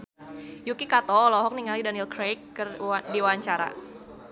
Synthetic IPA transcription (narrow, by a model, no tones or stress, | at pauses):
jukikat̪ɔlɔɦɔk̚niŋalidanilkɾejkːərdiwaɲt͡ʃaɾa̰